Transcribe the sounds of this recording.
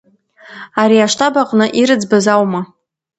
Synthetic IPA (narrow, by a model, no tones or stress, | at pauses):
aɾiaʂtʰabaqʼnɨʔiɾɨd͡zbazawma